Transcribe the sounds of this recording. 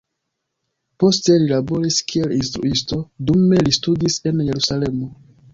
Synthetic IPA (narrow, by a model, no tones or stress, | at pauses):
po̞ste̞lilabo̞ɾiskʰie̞linstɾṵisto̞dume̞listudise̞nje̞ɾusale̞mo̞